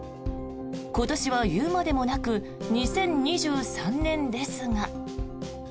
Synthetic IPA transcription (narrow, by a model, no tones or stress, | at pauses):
ko̞t̪o̞ɕiβ̞ajɯːmad̪e̞mo̞nakɯ̟ | ɲ̟isẽ̞ɲ̟ɲiʑɨːsãnnẽ̞nd̪e̞sɨŋa